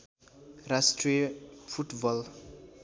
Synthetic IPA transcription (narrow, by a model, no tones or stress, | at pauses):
ɾasʈɾipʰuʈbɔl